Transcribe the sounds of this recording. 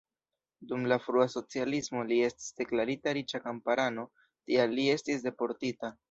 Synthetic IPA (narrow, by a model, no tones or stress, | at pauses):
dumlafɾuaso̞t͡sialismo̞lie̞sti̥sd̥e̞klaɾitaɾit͡ʃakampaɾano̞ | tialːie̞stisde̞po̞ɾtita